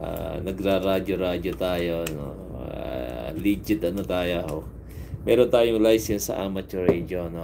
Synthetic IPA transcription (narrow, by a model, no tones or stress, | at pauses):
ʔa̰nɐɡɾaɾaːd͡ʒoɾaːd͡ʒot̪aːjono̰ | a̰liːd͡ʒɪd̪ɐnot̪aːjoho | mɛːɾont̪aːjoŋlajsɛnsɐ̰ʔaːmɐt͡ʃoɾɛd͡ʒono